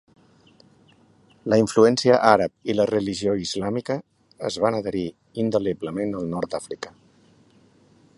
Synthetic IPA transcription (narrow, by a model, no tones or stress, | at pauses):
ləiɱfluɛnsiəʔaɾəp̚ilərəliʒioizlamikə̰ː | zβanəðəɾi | ind̪əliβləmenəlˠnɔɾt̪d̪afɾikə̥